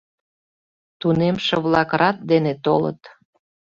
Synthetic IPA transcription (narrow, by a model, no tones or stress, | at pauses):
t̪unemʃəβlɑkrɑt̪̚d̪enet̪olə̰t̪